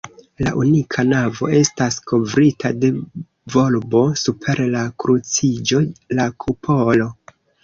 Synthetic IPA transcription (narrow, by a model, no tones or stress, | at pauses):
la̰ʔunikʰanavo̞̰e̞staskʰo̞vɾitade̞ | vo̞lbo̞supʰe̞ɾlakɾut͡sid͡ʒo̞lakʰupʰo̞lo̞